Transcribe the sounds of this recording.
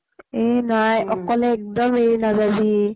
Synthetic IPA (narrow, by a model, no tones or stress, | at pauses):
enajʔɔkːɔleɛk̚d̪ɔmeinazabi